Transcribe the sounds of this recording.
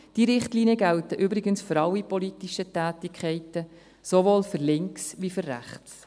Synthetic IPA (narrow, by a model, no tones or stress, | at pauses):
d̥iɾɪχtliːniəɡæltəʔybɾɪɡənsføɾɑwipɔlitiʃətæːtɪkʰχɛɪtə | sovoːlfʏɾlɪŋksʋifʏɾːæ̰χt͡s